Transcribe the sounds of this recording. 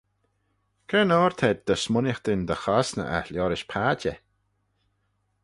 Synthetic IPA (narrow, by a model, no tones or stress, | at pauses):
kʰɛnɔːɹt̪ʰɛd̪̚d̪əsmʊnɪxt̪ɪnd̪əxasnə̰ʔa̰ljɔɾɪʃpʰaːd͡ʒə̰